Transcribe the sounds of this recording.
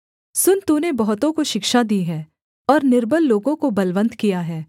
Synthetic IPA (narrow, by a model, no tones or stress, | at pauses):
sʊnt̪unebɐɦʊt̪õkoʃɪkʃad̪iːɦɛː | ɔːɾnɪɾbəlːoːɡõkobɐlʋə̃nt̪kijaɦɛː